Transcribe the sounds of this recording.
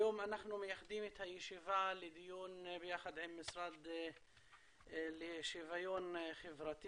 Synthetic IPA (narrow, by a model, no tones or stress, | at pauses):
jomanaχnumejaχd̪imet̪hajeʃivaled̪ijunbejaχad̪ʕimːisɾad̪ | lejʃivajonχevɾat̪i